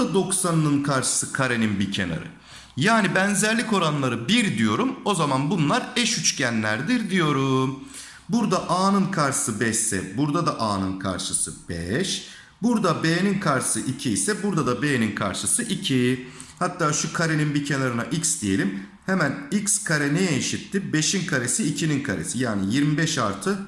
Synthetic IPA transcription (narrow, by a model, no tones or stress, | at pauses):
ad̪o̞ksanɯnɯnkʰaɾʃɯ̥sɯkʰaɾeninbicʰena̰ɾɯ̰ | jaːnibænzæɾlʲiko̞ɾanlˠaɾɯbiɾd̪ijo̞ɾumo̞zamanbunlˠaɾɛʃyt͡ʃcʰænlʲæɾd̪iɾd̪ijo̞ɾum | buɾd̪aʔaːnɯnkʰaɾʃɯ̥sɯbɛʃsɛbuɾd̪ad̪aʔaːnɯnkʰa̰ɾʃɯsɯb̥ɛʃ | buɾd̪abeːninkʰaɾʃɯsɯʔicʰiːsɛbuɾd̪ad̪abeːninkʰa̰ɾʃɯsɯʔicʰi | hat̪ːaːʃukʰaɾe̞ninbicʰe̞naɾɯnaʔiksd̪ije̞lʲim | hemænikskʰaɾɛnejɛːʃit̪ːibe̞ʃinkʰaɾe̞siːcʰininkʰaɾe̞̰sijaːnijiɾmibɛʃaɾt̪ʰɯ